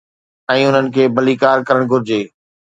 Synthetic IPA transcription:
ɛ̃ːʊn̤ənɪ̆kʰeːbɐlikaːɾkɐɾəɽ̃ɡʱʊɾɪd͡ʑeː

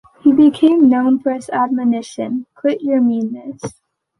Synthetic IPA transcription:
hibɨkʰẽɪ̃mnõʊ̃nfə˞ɨzæd̚mɨnɪʃɨ̰̃nkʰw̥ɪt͡ʃə˞mĩnːɨs

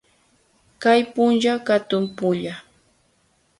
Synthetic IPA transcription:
kajpʊnʒakat̪ʊmpʊʎa

